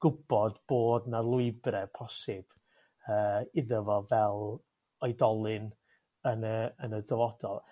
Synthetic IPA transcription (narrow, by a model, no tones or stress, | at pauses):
ɡ̥ʊbɔdb̥oːdnalˠʊɨbɾɛpʰɔsɨb̥ | əːɪðəvɔvɛlˠ | ɔjdɔlˠɨn | ənəənədəvɔdɔlˠ